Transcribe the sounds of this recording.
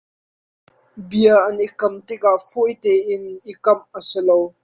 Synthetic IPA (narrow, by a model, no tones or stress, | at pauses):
biəʔɐnikɐmt̪ɪk̚aʔfujt̪ɛːʔɪnʔikɐmʔəsəlow